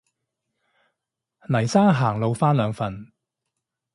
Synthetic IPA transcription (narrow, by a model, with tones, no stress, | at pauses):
nɐ˨˩jsaː˥ŋɦaː˨˩ŋlo˨˧wfaː˥nlœː˨˧ŋfɐ˨n